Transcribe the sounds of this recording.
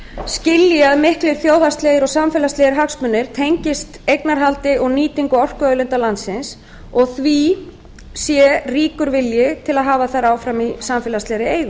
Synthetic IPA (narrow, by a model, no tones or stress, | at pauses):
scɪljɪaðmɪhklɪɾ̥θjoːwθast̪leːɣɪɾɔɣsamfɛːlast̪lɛːɪɾɦaksmʏnːɪɾ̥t̪ʰejɲcɪst̪ejknaɾɦalt̪ɪʔɔɣniːt̪iŋkʏɔr̥kœːlʏnt̪alant̪sɪns | ɔɣθvi | sjɛriːkʏɾvɪljɪt̪ʰɪlaðɦaːvaθaɾaːwfɾamisamfɛːlaslɛjɾɪeːjɣʏ